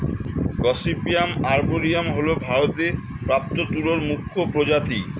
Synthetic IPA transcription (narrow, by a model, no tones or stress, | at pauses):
ɡɔsipijamaɾboɾijamɦolobʱaɾot̪e | pɾap̚t̪ot̪uloɾmukʰːopɾod͡ʑat̪i